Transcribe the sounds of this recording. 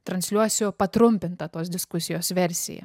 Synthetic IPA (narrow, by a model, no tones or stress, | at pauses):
t̪ɾɐnʲsʲlʲuɔsʲopɐt̪ɾʊmʲpʲɪnt̪ɐt̪oːsd̪ʲɪskʊsʲɪjoːsʋʲɛɾʲsʲɪ̰jɛ̰